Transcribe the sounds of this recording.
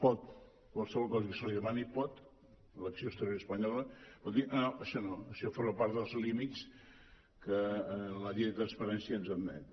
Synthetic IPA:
pɔt̪̚ | kwalˠsəβɔlˠkɔzəkəsəliðəmanipɔt̪ | ələksioəst̪əɾjoɾəspəɲɔləpɔt̪d̪inoʔəʃɔnoəʃɔfoɾməpaɾt̪ðəlˠzlimit̪s | kələliəðət̪ɾənspəɾɛnsiəːnzənnɛ̰t̪

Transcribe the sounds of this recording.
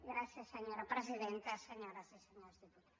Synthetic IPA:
ɡɾasjɐsɐɲoɾɐpɾeziðẽnt̪ɐsɐɲɔɾasɐsɐɲoɾzðiput̪a

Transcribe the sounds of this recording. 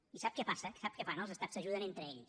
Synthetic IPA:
isap̚kɛpasəksap̚kɛfanəlˠzəst̪assəʒuðənent̪ɾəeʎs

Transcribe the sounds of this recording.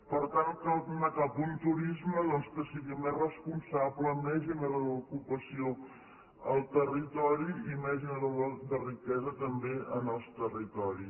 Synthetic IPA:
pəɾt̪ankəunəkapunt̪uɾizməðɔnskəsiɣimerəspunsabləmɛʒiməðəukupəsio | əlˠt̪ərit̪ɔɾiimɛʒiməðəd̪ərikɛzət̪əmbeənəlˠst̪ərit̪ɔɾi

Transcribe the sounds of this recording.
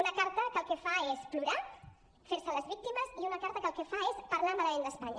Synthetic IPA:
unəkaɾt̪əkəlˠkefaespluɾa | feɾsələzβik̚t̪iməziunəkaɾt̪əkəlˠkefaespɐɾlamalɐmend̪əspaɲə̰

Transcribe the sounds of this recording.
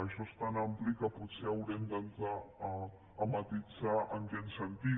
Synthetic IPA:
əʃɔst̪anamplikəput̪seəwɾemd̪ənzaː | mət̪id͡zaʔənɡensənt̪i

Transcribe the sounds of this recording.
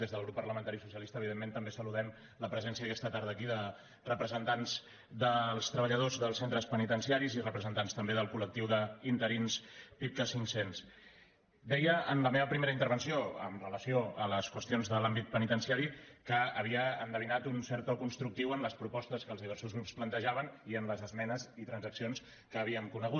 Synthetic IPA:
ezðəlˠɣɾupːəɾləmənt̪aɾisusijəlisəːβ̞iðemːent̪əmbesəluðɛm | ləpɾəzɛnsiəðəkɛst̪ət̪aɾð̞əːkiðə | rəpɾəzənt̪anz | d̪əlˠst̪ɾəβəʎəð̞ozðəlˠsent̪ɾəspənit̪ənsiaɾizirəpɾəzənt̪anst̪əmbeðəlˠkulək̚t̪iwðəint̪əɾinspip̚kəsiŋsens | d̪ɛjəənləmeβəpɾimeɾəint̪əɾβənsioə̰mrələsioələskwəst̪ionzðəlambit̪̚pənit̪ənsiaɾikəːβ̞iəːnd̪əβinat̪unsɛɾt̪ɔkunst̪ɾuk̚t̪iwənləspɾupɔst̪əskəːlˠzðiβɛɾsuzɣɾupsplənt̪əʒaβəniənləzəzmɛnəzit̪ɾənzəksions | kəːβ̞iəŋkunəɣut̪̚

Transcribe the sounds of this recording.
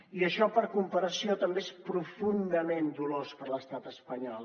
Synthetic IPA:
iəʃɔpəɾkumpəɾəsiot̪əmbeespɾufund̪əmend̪ulospəɾləst̪at̪əspəɲɔlˠ

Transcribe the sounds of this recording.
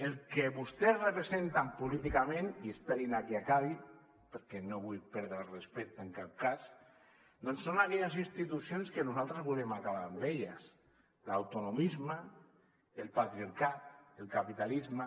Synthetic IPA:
elkeβust̪ezrepɾezent̪ampulit̪ikamẽniesp̪eɾinakiakaβi | peɾkɛnoβujpɛɾðɾalrespɛk̚t̪eŋkap̚kas | d̪onsːonakɛʎazinst̪it̪usionskenuzalˠt̪ɾezβulemakaβ̞ambeʎas | lawt̪unumizma | elˠpat̪ɾiaɾkat̪̚elˠkapit̪alizma

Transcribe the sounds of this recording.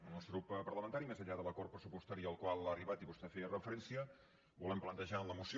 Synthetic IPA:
ənɔst̪ɾupːpərləmənt̪aɾimezəʎaðələkort̪̚pɾəsupust̪aɾiəəlˠkwalˠaəriβat̪iβust̪eferəfəɾɛnsiə | bulɛmplənt̪əʒaənləmusi

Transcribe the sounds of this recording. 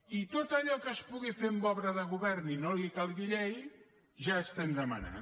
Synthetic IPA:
it̪ot̪əʎɔkəspuɣifembɔβɾəðəɣ̞uβɛrninolikalˠɣiʎɛj | ʒaːst̪ɛmd̪əmə̰na̰

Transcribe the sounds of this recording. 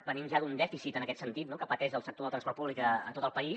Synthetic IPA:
bənimʒaðund̪ɛfisit̪ənəkɛt̪sənt̪it̪nokəpət̪ɛʒðəlˠsək̚t̪oðət̪ɾənspɔrt̪puβlikəət̪ot̪əlˠpəi

